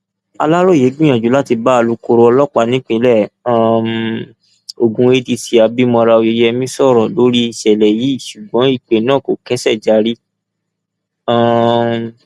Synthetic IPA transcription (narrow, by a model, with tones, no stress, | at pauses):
a˧la˦ɾo˦˨je˨˦ɡ͡bĩ˦j̃ã˨d͡ʒu˨˦la˦ti˧ba˦a˧lu˨˧ko˧ɾo˧ɔ˧lɔ˦k͡pa˧˦nĩ˦k͡pĩ˧˦lɛ˦˨ã˦˨m | o˨ɡũ˧e˧˦ti˧si˧a˧bi˦mɔ̃˧ɾa˧o˧je˧je˦˧ɛ˧mĩ˦sɔ˦˨ɾɔ̃˨lo˦ɾi˦˨ʃɛ˨lɛ˨ji˨˦˨ʃu˨ɡ͡bɔ̃˨˦i˦˨k͡pe˨nãː˦˨ko˨kɛ˦sɛ˦˨d͡ʒa˨˧ɾi˦ | ã˦˨